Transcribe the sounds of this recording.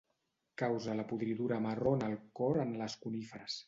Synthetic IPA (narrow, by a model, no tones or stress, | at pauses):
kawzələpuðɾiðuɾəməronəlˠkɔɾənləskunifəɾəs